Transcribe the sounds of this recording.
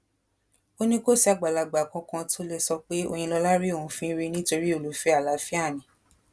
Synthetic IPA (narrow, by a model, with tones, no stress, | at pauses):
o˦nĩ˦ko˦˨si˨˦a˨ɡ͡ba˨la˨ɡ͡ba˨kã˧kã˧to˦le˧sɔ˧k͡pe˦o̰˦˧jĩ˧lɔ˧la˦ɾi˦o˦˨ũ˨˦fĩ˦ɾi˦˧˦nĩ˦to˧ɾi˦o˦˨lu˨˦fe˧˦a˦˨la˨˦fi˦a˦˨nĩ˨˦